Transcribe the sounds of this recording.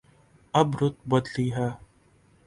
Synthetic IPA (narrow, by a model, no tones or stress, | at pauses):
ɐbɾʊt̪̚bɐd̪liːɦaː